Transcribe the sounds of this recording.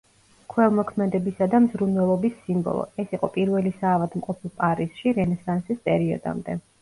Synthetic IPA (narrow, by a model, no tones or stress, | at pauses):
kʰwɛlˠmɔkʰmɛd̪ɛbisad̪amzɾunwɛlˠɔbisːimbɔ̰lˠɔ̰ɛsiqʼɔpʼiɾvɛlisaːvad̪mqʼɔpʰilˠpʼaɾiz̥ʃiɾɛnɛsansispʼɛɾiɔ̰d̪a̰md̪ɛ